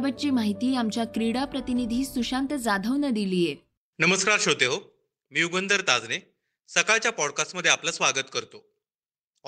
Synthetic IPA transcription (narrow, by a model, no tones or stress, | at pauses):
bət̚t͡ɕiːmaɦit̪iːamt͡ɕjakɾiɽapɾət̪inid̪ʱiːsuɕant̪əd͡zad̪ʱəʋnəd̪ilije | nəməskaɾɕot̪eɦo | miːuɡənd̪əɾt̪ad͡zne | səkaɭt͡ɕjapɔɽkasʈməd̪ʱːjeapləsʋaɡət̪kəɾt̪o